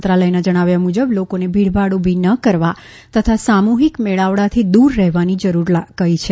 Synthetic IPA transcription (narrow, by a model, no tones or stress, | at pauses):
t̪ɾaləjnad͡ʒəɽ̃aʋjamud͡ʒəblokonebʱiɽbʱaɽobʱinəkəɾʋa | t̪ət̪ʰasamuɦikmeɭaʋɽat̪ʰid̪uɾːɛɦʋanid͡ʒəɾuɾlakəit͡ʃʰe